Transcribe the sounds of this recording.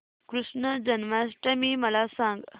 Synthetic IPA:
kɾuʂnəd͡ʑənmasʈəmiːməlasãŋɡ

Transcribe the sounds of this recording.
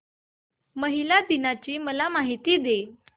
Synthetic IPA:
məɦilad̪inat͡ɕiːməlamaɦit̪iːd̪e

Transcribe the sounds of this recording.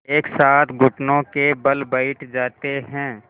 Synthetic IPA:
eːksaːt̪ʰɡʱʊʈnõkebɐlbəɪʈʰd͡ʒaːt̪eɦɛ̃ː

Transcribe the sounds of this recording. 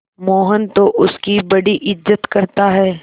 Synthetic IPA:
moːɦənt̪oʔʊskibɐɽiʔɪzːət̪kɐɾt̪aɦɛː

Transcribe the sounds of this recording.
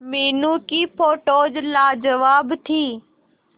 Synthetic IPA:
meːnũːkiːpʰoːʈoːd͡ʒlaːd͡ʒəʋaːbt̪ʰiː

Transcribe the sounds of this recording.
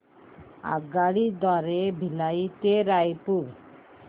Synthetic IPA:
a̰ɡaɽid̪ɔɾebʱilait̪eɾajpuɾ

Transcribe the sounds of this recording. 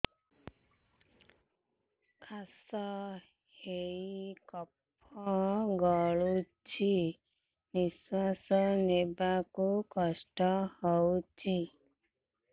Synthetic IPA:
kʰasɔ | heikɔpʰɔɔɡɔɭu | t͡ʃʰi | niswasɔnebakukɔsʈɔhɔwt͡ʃʰi

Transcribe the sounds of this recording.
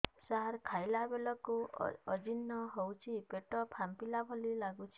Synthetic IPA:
saɾkʰajlabelɔkṵɔd͡ʒinːɔɦowt͡ʃʰipeʈɔpʰampilabʱɔlilaɡut͡ʃʰi̥

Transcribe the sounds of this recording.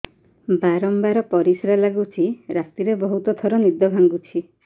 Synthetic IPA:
baɾɔmbaɾɔpɔɾisɾalaɡut͡ʃʰiɾat̪iɾebɔɦut̪ɔt̪ʰɔɾɔnid̪ɔbʱaŋɡut͡ʃʰi

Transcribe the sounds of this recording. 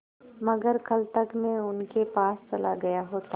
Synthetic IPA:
mɐɡəɾkɐlt̪ɐkmẽʊnkepaːst͡ʃɐlaɡɐjaɦoːt̪a

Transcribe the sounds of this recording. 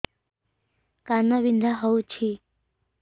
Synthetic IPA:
kanabind̪ʱaɦəut͡ʃʰi

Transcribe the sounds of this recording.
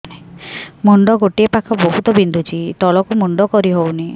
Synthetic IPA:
emuɳɖɔɡoʈiepakʰɔboɦut̪ɔbind̪ʱut͡ʃʰit̪ɔlɔkumuɳɖɔkɔɾiɦowni

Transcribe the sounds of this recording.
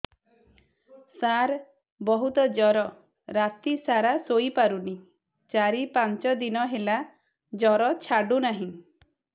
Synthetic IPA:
saɾ | bɔɦut̪ɔd͡ʒɔɾɔ | ɾat̪isaɾasoipaɾuni | t͡ʃaɾipant͡ʃɔd̪inɔɦela | d͡ʒɔɾɔt͡ʃʰaɖunaɦĩ

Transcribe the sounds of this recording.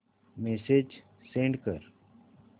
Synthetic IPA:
mesed͡ʒ | sẽɳɖkəɾ

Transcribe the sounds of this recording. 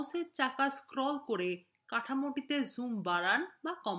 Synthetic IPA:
seɾt͡ɕakaskɾɔlkoɾe | kaʈʰamoʈit̪ezumbaɾanbakɔm

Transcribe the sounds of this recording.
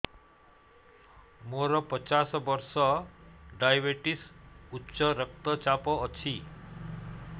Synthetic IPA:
moɾɔpɔt͡ʃasɔbɔɾsɔɖajbeʈisutːʃɔɾʌk̚t̪ɔt͡ʃapɔːt͡ʃʰi

